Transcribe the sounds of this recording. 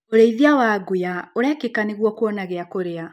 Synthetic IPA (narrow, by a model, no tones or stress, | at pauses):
oɾeiðiawaɡojaoɾɛkekaneɣwɔkwɔnaɣeakoɾea